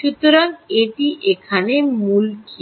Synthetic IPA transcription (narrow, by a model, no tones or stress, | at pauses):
ʃut̪oɾaŋeʈiʔekʰanemulki